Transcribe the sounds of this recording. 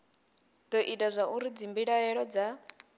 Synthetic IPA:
d̪̥ɔʔitʼazʷaʔuɾid͡zimbiɺaɦɛɺɔd͡za

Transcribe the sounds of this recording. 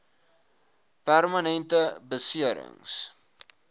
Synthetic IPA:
pærmɐnɛntəbəsiəɾə̰ŋs

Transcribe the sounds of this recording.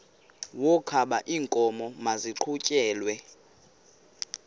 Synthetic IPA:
wɔkʰaɓaʔiːŋkʼɔmɔmaziǃʰucʼɛːlwɛ

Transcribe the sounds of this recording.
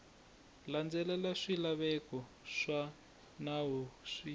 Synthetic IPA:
land͡zɛlɛlaʂilaβɛkɔ | ʂa | naɦuʂi

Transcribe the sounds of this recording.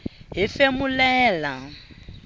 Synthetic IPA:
ɦifemulɛːla

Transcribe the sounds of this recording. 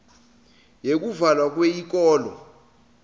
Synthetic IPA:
jek̬uvalwak̬ʼwejik̬ʼɔːlɔ

